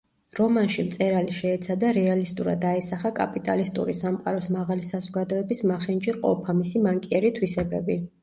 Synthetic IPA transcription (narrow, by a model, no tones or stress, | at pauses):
ɾɔmanʃimt̪sʼɛɾaliʃɛːt̪sʰad̪aɾɛalist̪ʼuɾa̰d̪aɛsaχakʼa̰pʼit̪ʼa̰list̪ʼṵɾisamqʼaɾɔsmaʁalisazɔɡad̪ɔɛbismaχɛnd͡ʒiqʼɔ̰pʰamisimaŋkʼiɛɾit̪ʰwisɛbɛbi